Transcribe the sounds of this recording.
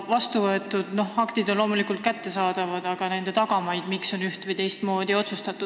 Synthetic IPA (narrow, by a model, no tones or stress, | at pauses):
vɑst̪uvɤe̞t̪ːˑud̪̥no̞hɑkt̪id̪onlo̞ːmulikult̪̚kæt̪ːe̞sɑːd̪̥ɑvɑd̪ɑɡ̥ɑne̞nd̪e̞t̪ɑɡ̥ɑmɑjd̪̥mikso̞nyht̪vɨjt̪e̞jst̪mo̞ːd̪io̞t̪sust̪ɑt̪ːud̪̥